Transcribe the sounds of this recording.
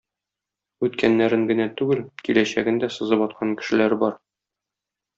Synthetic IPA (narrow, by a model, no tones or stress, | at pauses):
ʉt̪kænːæɾɘŋɡɘ̆næt̪ʉɡɘlkilæɕæɡɘnd̪æsɤ̆zɤpɒt̪̚qʰɑŋkɘ̆ʃɘ̆læɾbɒɾ